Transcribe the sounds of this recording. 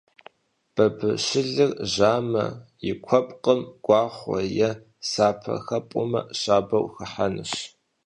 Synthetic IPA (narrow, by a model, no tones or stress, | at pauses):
b̥ɐbɨɕɪɮɨrʑaːmɐ̰jɪkʷʰɔpʼqʼəmɡ̥ʷɑːχʷɔ̰jɛ | saːpʰɐ̰xɐpʼʊmɐ̰ɕaːbɐwxɐħanɨ̰ɕ